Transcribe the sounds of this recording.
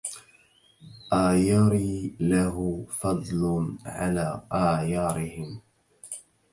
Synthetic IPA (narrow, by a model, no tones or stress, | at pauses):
ʔajɑɾiːlaɦʊfɑd̪ˤlʊnʕalaːʔaːjɑːɾɪhɪm